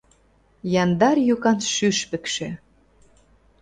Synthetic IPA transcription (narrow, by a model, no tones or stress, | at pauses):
jɑnd̪ɑrjukɑnʃyʃpɘ̆kʃĕ